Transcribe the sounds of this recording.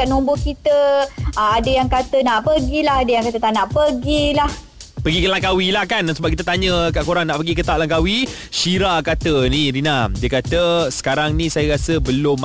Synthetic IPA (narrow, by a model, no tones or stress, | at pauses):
anombokit̪əəadəjaŋkat̪ənaʔpəɡilaɦadəjaŋkat̪ət̪anaʔpəɡilah | pəɡikəlaŋkawilahkansəbap̚kit̪ət̪aɲə̃kaʔkoɾaŋnaʔpəɡikət̪aʔlaŋkawi | ʃiɾakat̪əniɾinadiəkat̪əsə̥kaɾaŋnĩsajaɾasəbəlʊm